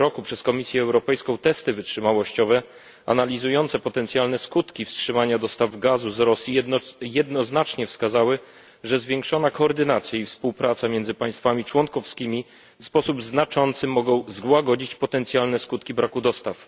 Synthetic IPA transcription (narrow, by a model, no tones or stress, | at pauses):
ɾɔkupʂɛskɔmʲisʲjɛːwɾɔpɛjskɔ̃w̃t̪ɛst̪ɘvɘtʂɘmawɔɕt͡ɕɔvɛ | a̰nalʲizujɔnt̪sɛpɔt̪ɛnt̪sʲjalnɛskut̪kʲifstʂɘmaɲad̪ɔst̪avɡazuzɾɔsʲjijɛd̪̚nɔznat͡ʂɲɛfskazawɘ | ʐɛzvʲjɛŋkʂɔnakɔːɾd̪ɘnat̪sʲjaifspuwpɾat̪samʲjɛnd̪zɘpaj̃st̪famʲit͡ʂwɔnkɔfskʲimʲi | fspɔsubznat͡ʂɔnt̪sɘmɔɡɔ̃w̃zɡwaɡɔd͡ʑit͡ɕpɔt̪ɛnt̪sjalnɛskut̪kʲibɾakud̪ɔst̪af